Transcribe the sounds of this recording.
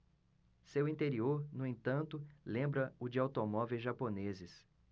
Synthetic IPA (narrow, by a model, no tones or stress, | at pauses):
sewĩt̪eɾioɾnʊẽt̪ɐ̃nt̪ʊlẽmbɾɐʊd͡ʒɪawt̪omɔvewʒaponezɪs